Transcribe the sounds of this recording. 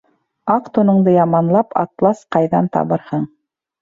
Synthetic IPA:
ɑqt̪unɤ̆ɴd̪ɤjɑmɑnlˠɑpʰɑ̰t̪lˠɑsqɑjðɑnt̪ɑ̰βɤɾhɤɴ

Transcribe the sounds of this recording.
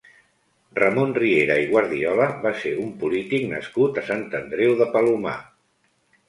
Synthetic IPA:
rəmonrieɾəiɣ̞waɾðiɔləβaseumpulit̪iknə̰skut̪əsant̪ənd̪ɾewðəpəluma̰

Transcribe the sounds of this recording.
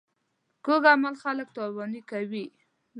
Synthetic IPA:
koɡamalxalək̚t̪ɑwɑnikawi

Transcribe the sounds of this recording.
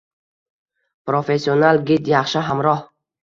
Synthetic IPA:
pɾofesionalɡʲit̪jaχʃaɦamɾɔh

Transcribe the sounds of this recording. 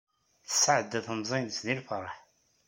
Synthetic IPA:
θə̥səʕəd̪ːæθəmzˤinsnilfəɾˤəħ

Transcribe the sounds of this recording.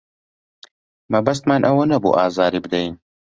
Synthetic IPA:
mɐbɐs̬t̪maːnʔɐwɐnɐbṵːʔaːzaːɾiːbɨd̪ɐjin

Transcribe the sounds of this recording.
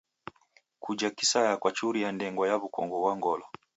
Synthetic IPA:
kud͡ʒakisajakwat͡ʃuɾijandɛŋɡɔjaβukɔ̰ŋɡɔβwaŋɡɔlɔ

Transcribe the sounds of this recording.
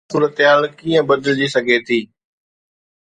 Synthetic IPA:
uːɾət̪ɦaːlkiːə̃bɐd̪əld͡ʑisɐɡʱet̪ʰiː

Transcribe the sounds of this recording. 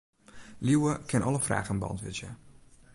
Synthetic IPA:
liwəkʰɪnʔɔləfra̰ːɣənbɔ̰ntʋɪ̰zjə

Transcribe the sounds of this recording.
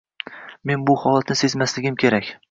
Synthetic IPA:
me̞nbʊhɒlˠat̪nɪse̞zmaslɪɡʲɪmkʲʰe̞ɾakʲ

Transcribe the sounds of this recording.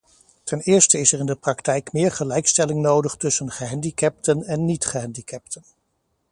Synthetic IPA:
tʰɛnɪːɹstəɪsɛrɪndəprɑktɛjkmɪːɹχəlɛjkstɛlɪŋnowdəχtɵsənχəɦɛndikɛp̚tənɛnːitχəɦɛndikɛp̚tʰən

